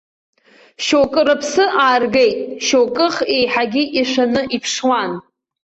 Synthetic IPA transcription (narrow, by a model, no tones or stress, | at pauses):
ʃokʼɨrɨpʰsɨʔaːrɡejtʼʃowkʼɨχe̞jħaɡʲiʔiʃʷᶣanɨʔipʰʂwan